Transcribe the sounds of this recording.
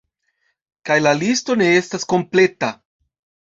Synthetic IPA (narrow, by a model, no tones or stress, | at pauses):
kajlalisto̞ne̞e̞stasko̞mple̞ta